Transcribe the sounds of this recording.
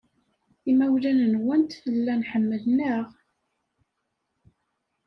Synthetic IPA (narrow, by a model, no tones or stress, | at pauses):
imæwlænənwənt̪fəlːænħəmːəlnəʁ